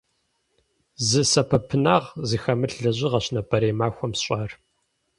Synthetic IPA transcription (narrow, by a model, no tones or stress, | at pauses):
zɨsɐpʰɐpʰɨnaːʁziːxɐmɨɬɮɐʑɪʁɐɕnɐpʼɐɾeːmaːxʷɔmɕʼɑːr